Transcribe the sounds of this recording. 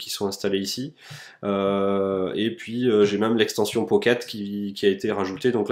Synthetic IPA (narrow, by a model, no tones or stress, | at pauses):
kʲi̥sɔ̃ɛ̃st̪aleisi | ø | epɥiøʒemɛmlɛkst̪ɑ̃sjɔ̃pɔkat̪kʲikʲiaet̪eʁaʒut̪ed̪ɔ̃kl